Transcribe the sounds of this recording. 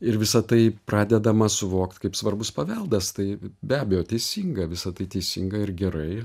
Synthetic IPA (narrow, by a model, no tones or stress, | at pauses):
ɪɾʋʲɪsɐt̪ɐɪprɑːd̪ʲɛd̪ɐmɐsʊʋoːkt̪kɐɪpsʋɐrbʊspɐʋʲɛlˠd̪ɐst̪ɐɪbʲæːbʲɛjoːt̪ʲɛɪsʲiŋɡɐʋʲɪsɐt̪ɐɪt̪ʲɛɪsʲḭŋɡɐɪɾɡʲɛɾɐɪ